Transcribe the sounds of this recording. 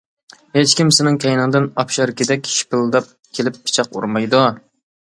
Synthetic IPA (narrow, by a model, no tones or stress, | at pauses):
het͡ʃkʲimsɪnɪŋkʲʰɛjnɨŋd̪ɨnɑpʃɑɾkʲʰɪd̪ɛkʲʃi̥pɪlˠd̪ɑp̚ | kʲʰelɪpːʰɪ̥t͡ʃʰɑqṵɾmɑjd̪u